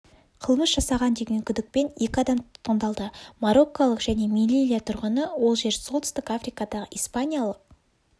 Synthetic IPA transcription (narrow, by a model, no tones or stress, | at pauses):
qʰəlˠməsʒɑsɑʁɑnd̪e̞ɡʲeŋkʲʰʏd̪ɪk̚pe̞ne̞kʲɪɑd̪ɑmt̪ʰʊ̥t̪̚qənd̪ɑlˠd̪əmaɾo̞kːolˠəqʒ̥æne̞milʲilʲijat̪ʰʊɾʁənəwo̞lˠʒe̞ɾsolˠt̪ʏ̥st̪ɪkafɾijkɑd̪ɑʁəʔijspanʲijalˠəq̚